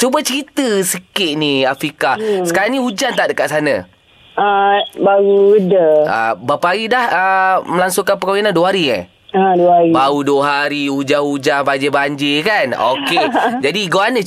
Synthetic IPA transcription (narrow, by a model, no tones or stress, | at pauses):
t͡ʃubət͡ʃəɾit̪əsəkɪʔ̪̚niafɾikasəkaɾaŋnihud͡ʒant̪aʔdəkaʔsanã̰ | abaɣuədəa̰bapaaɾidahəməlaŋsuŋkanpəkawinanduwəɦaɾiə̰ | aduəaɾibauduəɦaɾiud͡ʒanud͡ʒaŋbad͡ʒibaɲd͡ʒɪkanoked͡ʒadiɡoanə